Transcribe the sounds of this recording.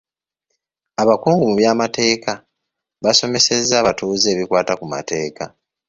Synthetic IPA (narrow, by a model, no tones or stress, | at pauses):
aβakuːŋɡumuβjaːmate̞ːka | βaso̞me̞se̞zːaːβatuːze̞ːβikwaːtakuma̰te̞ːka